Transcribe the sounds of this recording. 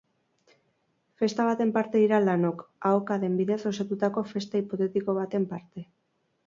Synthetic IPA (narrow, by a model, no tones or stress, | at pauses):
fe̞st̪aβat̪e̞mpaɾt̪e̞ðiɾalano̞kaokaðe̞mbiðe̞so̞sat̪ut̪ako̞fe̞st̪aipo̞t̪e̞t̪iko̞β̞at̪e̞mpaɾt̪e̞